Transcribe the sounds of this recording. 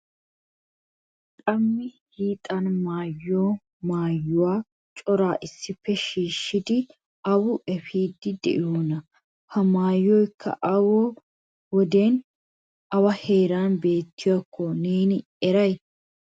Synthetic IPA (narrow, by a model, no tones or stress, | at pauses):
kʼɐmːɪhiːt̪ʼɐnmaːjːoː | maːjːʊwaː | t͡ʃʼɔɾaːʔɪsːɪfːɛʃiːʃːɪd̪ɪ | ɐwʊʔɛfiːd̪ːɪd̪ɛ̰ʔɪjoːnɐ | hɐmaːjːɔjkʰːɐ̰ʔɐwɔ | wɔd̪eːn | ʔɐwɐhe̞ːɾaːnbe̞ːt̪ːɪwakːɔneːnɪ | ɛɾɐj